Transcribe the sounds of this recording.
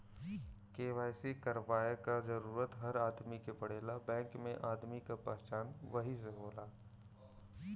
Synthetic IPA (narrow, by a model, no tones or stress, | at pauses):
keːʋaːjsikɐɾʋaːekazɐɾuːɾət̪ɦɐɾaːd̪mikepɐɽ̤eːlabɛ̃ːŋkmẽʔaːd̪mikapɛɦt͡ʃaːnʋɐɦis̬eɦoːlaː